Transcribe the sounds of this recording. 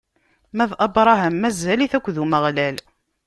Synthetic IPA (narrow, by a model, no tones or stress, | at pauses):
mæðʔɑbɾˤɑɦæmːæzæliθækʷːðuməʁlæl